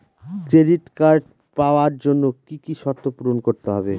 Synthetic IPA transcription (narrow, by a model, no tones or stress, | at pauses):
kɾeɖiʈkaɾɖ | paoaɾd͡ʑonːokikiʃɔɾt̪ːopuɾonkoɾt̪eɦɔbe